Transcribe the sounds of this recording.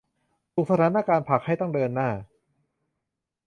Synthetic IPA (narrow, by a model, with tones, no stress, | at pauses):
t̪ʰu˨˩k̚sa˧t̪ʰaː˧˦na˧˩kaː˧npʰa˨˩k̚ha˥˩jt̪ɔ˥˩ŋdɤː˧nːaː˥˩